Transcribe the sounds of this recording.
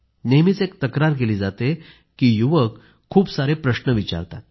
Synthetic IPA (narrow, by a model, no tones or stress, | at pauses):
nemit͡sek̚t̪əkɾaɾk̬eliːd͡zat̪e | kiːjuʋəkʰː | uːpsaɾepɾəɕnəʋit͡ɕa̰ɾt̪a̰t̪̚